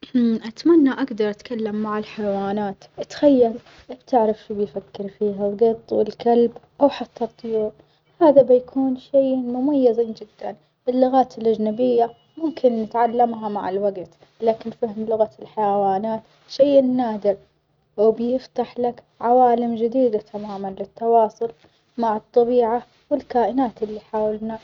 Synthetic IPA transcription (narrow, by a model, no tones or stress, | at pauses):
ʔat̪manːaʔaɡd̪ɑɾˤʔat̪kʰalːamːaʕɪlħajwaːnaːt̪ʔat̪xajːal | bt̪ɪʕɾafʃuːbɪjfakːɪɾfiːɦalɡɨt̪ˤːwɪlkalbʔawħat̪ʰːɑt̪ˤːʊjuːɾ | haːðabɪjkʰuːnʃajmʊmajːaziːnd͡ʒɪd̪̥ːan | ʔɪlːʊɣaːt̪ɪlʔad͡ʒnabɪjːa | mʊmkɪnːɪt̪ʕalːamɦama̰ʕɪlwaɡt̪ | laːkɪnfahmlʊɣaɪlħajawaːnaːt̪ | ʃaːʔnːaːd̪ɪɾ | wbjɪft̪aħlak | ʕawaːlɪmd͡ʒɪd̪iːd̪at̪ʰamaːmanlɪt̪ːɑwɑːsˤʊl | maʕɨt̪ˤːɑbiːʕa | wɪlkaːʔɪnaːt̪ʔɪlːiħaːwalna